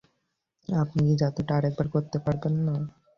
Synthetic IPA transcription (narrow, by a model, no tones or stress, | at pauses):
apnikid͡ʑat̪oʈaɾɛk̚baɾkoɾt̪epaɾbenːa